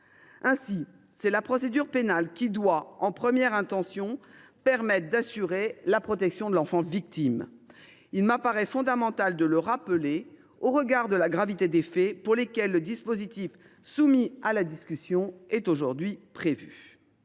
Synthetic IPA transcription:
ɛ̃si | sɛlapχɔsed̪yʁpenalkʲid̪waɑ̃pχəmjɛʁɛ̃t̪ɑ̃sjɔ̃pɛʁmɛt̪χd̪asyʁelapχɔt̪ɛksjɔ̃d̪əlɑ̃fɑ̃vik̚t̪im | ilməpaʁɛfɔ̃d̪amɑ̃t̪ald̪ələʁapəle | oʁəɡaʁd̪əlaɡʁavit̪ed̪efɛpuʁlekʲɛlːəd̪ispozit̪if | sumialad̪iskʲysjɔ̃ɛt̪oʒuʁd̪ɥipχevy̰

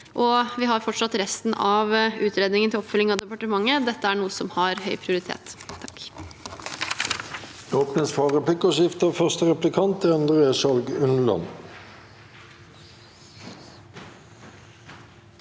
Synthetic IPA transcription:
ʔɔʋɪhɑɾfɔʈʂɑt̪ɾɛst̪n̩ɑːʋʉːt̪ɾeːd̪nɪŋənt̪ɪlɔpːfœlːɪŋɑʋd̪ɛpɑʈəmɑŋːəd̪ɛt̪ːəæːɳuːəsɔmhɑɾhœʏpʰɾɪʊɾɪt̪ʰḛːt̪ʰːɑ̥k | oːpnəsfɑːʁəpʰlɪkːəʃɪft̪əfœʁst̪əʁɛplɪkʰɑnt̪əœnd̪ʁeːʃɑlɡʉnlɑ̰n

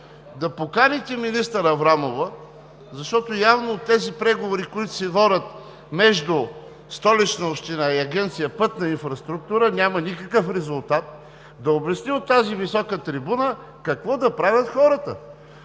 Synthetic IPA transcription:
d̪ɐpokanit̪ɛminist̪əɾɐvɾamovə | zɐʃt̪ɔt̪ojavnoːt̪ːɛzipɾɛɡovoɾikʊit̪ʊ̥sɛvɔɾʲət̪ | mɛʒd̪u | st̪ɔlit͡ʃnəopʃt̪inaiɐɡʲɛnt̪sijəpɤt̪nɐinfɾɐst̪ɾuk̚t̪uɾənʲamɐnʲikɐkəfɾɛzʊlˠt̪at̪̚ | d̪ɐobʲɐsniot̪ːazivisɔkət̪ɾibunə | kɐkvɔd̪ɐpɾavʲɐt̪xɔɾət̪ə̰

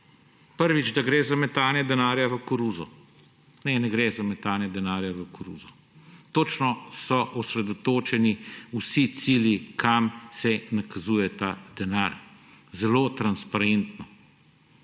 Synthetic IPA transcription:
pəɾʋid͡ʒd̪aɡɾeːzamɛt̪aːnjɛd̪ɛnaːɾjaʋəkɔɾuzɔ | nɛnɛɡɾɛzamɛt̪aːnjɛd̪ɛnaːɾjaʋəkɔɾṵːzɔ | t̪oːt͡ʃnɔsɔʔɔsɾɛd̪ɔt̪oːt͡ʃɛniusit̪siljikʰamsɛnakazuːjɛt̪ad̪̥ɛnaːɾ | zɛloːt̪ɾanspaɾent̪nɔ

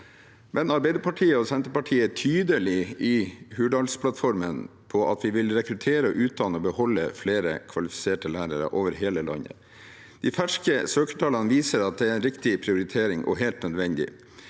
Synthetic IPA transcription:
mʔɛnɑɾbæɪd̪əɾpʰɑʈʰiːəɔsɛnt̪əpɑʈʰiːət̪ʰyːd̪əlɪɪhʉːɖɑlspʰlɑt̪fɔɾmənpʰɔʔɑt̪ʋɪʋɪlɾɛkɾʉt̪ʰeːɾəɔʔʉːt̪̚d̪ɑːnəɔbəhɔlːə̰fleːɾə̰kʰʋɑlɪfɪ̥seːʈəlæːɾəɾə̰ʔoːʋəɾɦeːləlɑ̰nə̰ | d̪̥ɪfæʂkəsøːkə̥ʈʰɑːlɑnəʋiːsəɾɑt̪̚d̪ɛæɾɛnɾɪkt̪ɪpʰɾɪʊɾɪt̪ʰeːɾɪŋʔɔ̰ɦeːlt̪nœd̪ʋɛnd̪ɪ̰

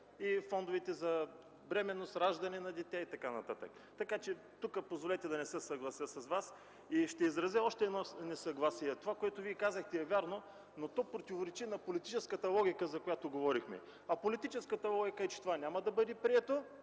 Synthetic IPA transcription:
ifɔnd̪ovɛt̪ɛzɐ | bɾɛmɛnːosɾaʒd̪ɐnɛnɐd̪ɛt̪ʲɛit̪ɐkanɐt̪at̪ə̰k | t̪ɐkat͡ʃɛ | t̪ukəpozvolɛt̪ɛd̪ɐnɛsɛsɐɡlˠɐsjəsɐsvas | iʃt̪ɛizɾɐzɛɔʃt̪ɛɛd̪nɔnɛsɐɡlˠasiɛt̪ovakoɛt̪oviɛkazəxt̪ɛɛvʲjaɾno | not̪ɔpɾot̪ivoɾɛt͡ʃinɐpolit̪it͡ʃɛskət̪əlˠɔɡʲikəzɐkojat̪oɡovɔɾixmɛ̰ | ɐpolit̪it͡ʃɛskət̪əlˠɔɡʲikəɛt͡ʃɛ̥t̪ovanʲamɐd̪ɐbɤd̪ɛpɾiɛt̪o

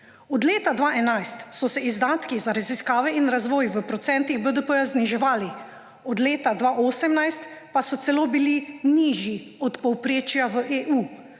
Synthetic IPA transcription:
ɔd̪leːt̪ad̪ʋaːʔɛnajst̪sɔsɛizd̪aːt̪kizaɾaziskaːʋɛinɾazʋɔːjʋəpɾɔt̪sɛnt̪iɣbəd̪əpəjazniʒɛʋaːli | ɔd̪leːt̪ad̪ʋaːʔoːsɛmnajst̪pasɔt̪sɛloːbiliniːʒjiɔt̪pɔwpɾeːt͡ʃjaʋəʔeʔuː

